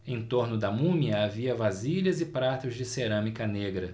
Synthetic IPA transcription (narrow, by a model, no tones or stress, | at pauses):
ẽj̃t̪oɾnʊd̪ɐmũmiɐaviɐvaziʎɐzɪpɾat̪ʊzd͡ʒɪseɾɐ̃mikɐneɡɾɐ